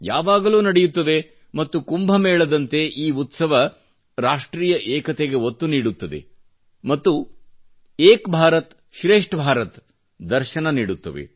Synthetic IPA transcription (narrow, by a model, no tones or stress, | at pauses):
jaːʋaːɡɐluːnɐɽɛjut̪ːɐd̪e̞ | mɐt̪ːukumbʱɐmeːɭɐd̪ɐnt̪e̞ʔiːut̪sɐʋɐ | ɾaːʂʈɾiːjɐʔɛːkɐt̪eɡe̞ɦot̪ːuniːɽut̪ːɐd̪e̞̰ | mɐt̪ːu | eːkbʱaːɾɐt̪ | ʃɾeːʂʈbʱaːɾɐt̪ | d̪ɐɾʃɐnɐniːɽut̪ːɐʋḛ